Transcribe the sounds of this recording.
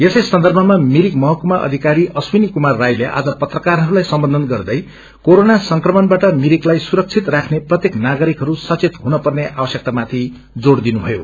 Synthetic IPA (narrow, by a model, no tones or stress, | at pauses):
esʌjsʌnd̪ʌrbʱʌmamiɾikmʌɦʌkumaʔʌ̰d̪ʱikaɾiʔʌswinikumarːajleʔa̰d͡zʌpʌt̪rʌkarɦʌɾulajsʌmbʌnd̪ʱʌnɡʌrd̪ʌj | koɾonasʌŋkrʌmʌnbaʈʌmiɾiklajsuɾʌk̚t͡sʰit̪rakʰneprʌt̪jeknaɡʌɾikɦʌɾusʌt͡set̪ɦunʌpʌrneʔabwʌsjʌk̚t̪amat̪ʰi | d͡zoɽd̪inubʱʌjo̰